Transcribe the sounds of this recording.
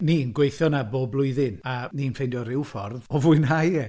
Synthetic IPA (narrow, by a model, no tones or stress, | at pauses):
niːnɡwejθjɔnaboːblˠʊɨðɪnaniːnfejndjɔɾɪwfɔrðɔvʊɨnɦajɛ